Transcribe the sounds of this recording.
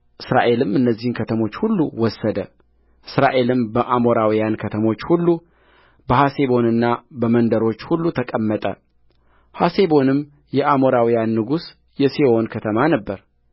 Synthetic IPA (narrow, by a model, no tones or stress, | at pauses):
ʔɨsɾa̰ʔe̞lɨmɨnːəzːihɨnkʰət̪ʰəmo̞t͡ʃːhulːuwɔsːəd̪ə | ʔɨsɾaʔe̞lɨmbəʔamo̞ɾawijankʰət̪ʰəmo̞t͡ʃːhulːu | bəhase̞βo̞nɨnːabəmənd̪əɾo̞t͡ʃːhulːut̪ʰəkʼəmːət̪ʼə̰ | hase̞bo̞nɨm | jɛʔamo̞ɾawijanːɨɡus | jɛseʔo̞nkʰət̪ʰəmanəbːəɾ